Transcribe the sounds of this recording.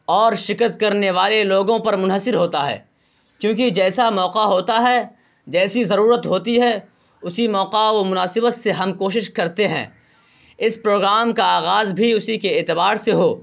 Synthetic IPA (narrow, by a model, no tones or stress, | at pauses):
ɔːɾʃɪkət̪kɐɾneʋaːleloːɡõpɐɾmʊ̃nɦəsɪɾɦoːt̪aɦɛ̰ː | kjõːkid͡ʒɛːsamɔːqaɦoːt̪aɦɛ | d͡ʒɛːsizɐɾuːɾət̪ɦoːt̪iɦɛ | ʊsimɔːqaʋomʊnaːsɪbət̪seɦɐmkoːʃɪʃkɐɾt̪eɦɛ̰̃ː | ɪspɾoːɡɾaːmkaaːɣaːzbʱiʊsikeeːt̪ɪbaːɾseɦoː